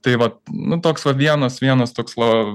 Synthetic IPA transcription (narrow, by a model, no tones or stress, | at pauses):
t̪ɐɪʋɐtnʊt̪oːksʋɐʋʲiɛnɐsʋʲiɛnɐst̪oːkslˠɑ